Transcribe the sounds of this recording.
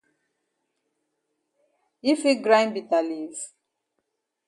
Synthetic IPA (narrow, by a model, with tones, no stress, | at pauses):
i˦fi˦ɡɾã˦j̃nbi˨ta˨li˨z